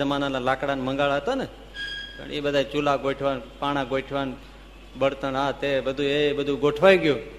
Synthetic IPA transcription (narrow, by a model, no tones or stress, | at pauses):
əmananalakɽanmə̃ŋɡaɭaɦət̪ane | pə̰ɳḛbəd̪ʱat͡ʃulaɡoʈʰʋanpaɽ̃ãɡoiʈʰʋan | bəɽt̪ənat̪ebəd̪ʱuebəd̪ʱuɡoʈʰʋajũɡjũ